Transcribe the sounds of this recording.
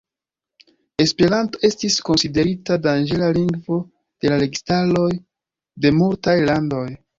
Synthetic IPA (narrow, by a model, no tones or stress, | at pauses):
e̞spe̞ɾanto̞e̞stisko̞nside̞ɾitadand͡ʒe̞laliŋɡvo̞ | d̥e̞laɾeɡistalo̞j | de̞multajlando̞j